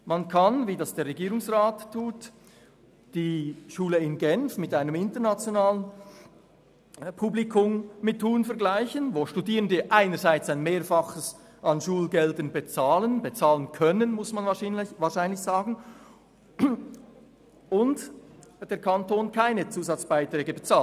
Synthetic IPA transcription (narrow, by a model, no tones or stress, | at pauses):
mankʰanviːdɑsd̥eːɐʁeɡiːʁʊŋsʁaːtʰːuːt | d̥iːʃuːləɪnɡɛnfmɪtaɪnəmɪntəɐnat͡sjonaːlən | pʰublikʰʊmmɪtʰːuːnfɛɐɡlaɪçənvoːʃtudiːʁəndəʔaɪnəzaɪt͡saɪnmeːɾfɑχəs | ʔɑnʃuːlɡɛldənbet͡saːlənbet͡saːlənkʰœnənmʊsmanvaːɐʃaɪnlɪçz̥aːɡn̩ | ʊntd̥eːɐkʰɑntoːnkʰaɪnət͡suːzɑt͡sb̥aɪtr̥ɛːɡəbət͡saː